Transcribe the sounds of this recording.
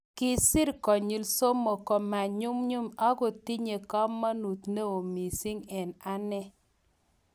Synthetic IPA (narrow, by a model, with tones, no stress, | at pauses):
kɪ˦sɪ˦ɾkɔ˨ɲi˨lso˦mo˨kɔ˨ma˨ɲu˦mɲu˦ma˦ɡo˨ti˦ɲe˨ka˦mːa˦nu˨t̪ne˦o˨mi˨si˦ŋɛ˨na˦nɛ˦